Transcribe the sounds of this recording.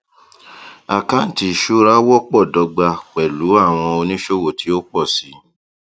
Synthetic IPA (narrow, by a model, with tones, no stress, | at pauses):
a˨kã˦n̩˨ti˨ʃu˦ɾa˦wɔ˦k͡pɔ˦˨dɔ˧ɡ͡ba˧k͡pɛ˨lu˨˦a˦˨w̃ɔ̃˧o˧nĩ˦ʃo˦wo˨tʰi˨˦o˦k͡pɔ˦˨si˨˦